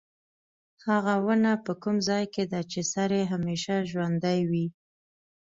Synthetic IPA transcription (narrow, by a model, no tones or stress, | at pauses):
haɣawənapəkumzɑjked̪at͡ʃesaɾeɦameʃaʒwand̪ajwi